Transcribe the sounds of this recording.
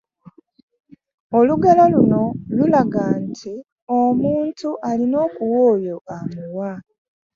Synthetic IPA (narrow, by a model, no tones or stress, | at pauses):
oluɡalaluno̞lulaɡantʰi | o̞muːntuʔalino̞ːkuwoːjo̞ʔamuwa